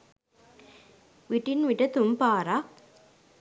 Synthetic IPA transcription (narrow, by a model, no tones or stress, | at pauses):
ʋiʈinʋiʈɐt̪umpaːɾak